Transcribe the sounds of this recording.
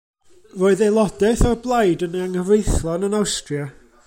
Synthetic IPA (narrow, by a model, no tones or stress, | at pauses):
roːɨðelˠɔdɛθɔrblˠajdəneaŋəvejθlˠɔnənawstrja